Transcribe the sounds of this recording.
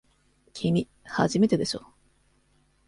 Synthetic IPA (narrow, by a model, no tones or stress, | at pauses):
kʲʰimʲi | ha̰ʑime̞t̪ed̪e̞ɕo̰ː